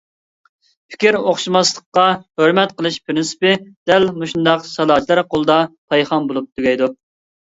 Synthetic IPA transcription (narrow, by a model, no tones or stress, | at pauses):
pʰɪ̥kʲiɾoχʃimɑslˠə̥qːɑhøɾmɛt̪qəlˠɨʃpʰɾɪnsɪ̥pɪd̪̥ɛlmuʃund̪ɑqsɑlˠɑːt͡ʃʰlˠɑɾqʰolˠd̪ɑt̪ʰɑjχɑmbolˠup̚t̪ʰyɡʲɛjd̪u